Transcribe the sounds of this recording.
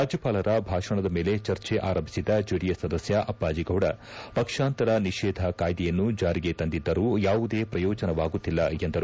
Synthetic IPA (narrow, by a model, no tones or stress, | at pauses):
ɾaːd͡ʒjɐpaːlɐɾɐbʱaːʂɐɳɐd̪ɐmeːle̞t͡ʃɐɾt͡ʃeʔa̰ːɾɐmbʱisid̪ɐd͡ʒuɽijɐsɐd̪ɐsjɐʔɐpːaːd͡ʒiɡɐwɽɐ | pɐkʂaːnt̪ɐɾɐniʃɛːd̪ʱɐkaːjd̪ɛjɐnːud͡ʒaːɾiɡet̪ɐnd̪id̪ːɐɾuːjaːʋud̪e̞ːpɾɐjɔːd͡ʒɐnɐʋaːɡut̪ːilːɐend̪ɐɾu